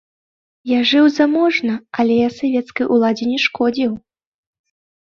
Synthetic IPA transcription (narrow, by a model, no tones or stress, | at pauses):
jaʐɨwzamɔʐnɐalʲɛjasavʲɛt̪skɐjʔulˠad͡zʲɛnʲɛʂkɔd͡zʲiw